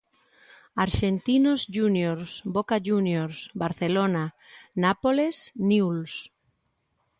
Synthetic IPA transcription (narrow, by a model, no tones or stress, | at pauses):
aɾʃent̪inozʒunjoɾsbokaʒunjoɾsbaɾθelona | napolesniuls